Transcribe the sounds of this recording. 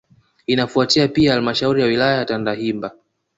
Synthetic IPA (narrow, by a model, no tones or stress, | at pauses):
inafuatiapiahalmaʃauɾijawilajajatandaɦimba